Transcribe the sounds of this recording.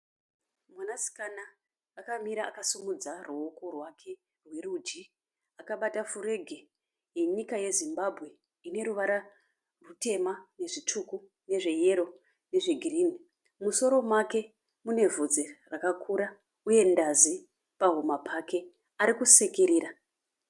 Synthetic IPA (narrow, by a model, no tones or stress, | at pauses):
mwanasi̥kanaː | kamiɾaːkasumud͡zaruo̞ko̞rwakʰe̞ | rwe̞rud͡ʒi | akaɓatafure̞ɡʱe | jeɲikaje̞zimbabʱɣe̞ | ine̞ɾuʋaɾa | rute̞mane̞ʐit͡ʂuku | ne̞ʐe̞je̞ɾo̞ | ne̞ʐeɡʱirini | muso̞ɾo̞mwake̞ | mune̞vʱod͡zerakakʰuɾa | uje̞ndazi | paɦumapʰake̞ | aɾikuse̞keɾiːɾa